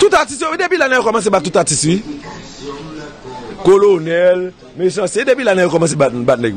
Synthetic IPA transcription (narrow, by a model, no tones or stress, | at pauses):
tutatisioidepilanɛjokɔmãs̬ebat̚ːutatiswi | kolonɛl | meʃãsedepilanɛjokɔmãs̬ebatbat̚nɛɡ